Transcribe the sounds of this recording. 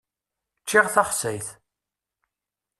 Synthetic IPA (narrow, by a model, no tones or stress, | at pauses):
t͡ʃːɪʁθaχsæjθ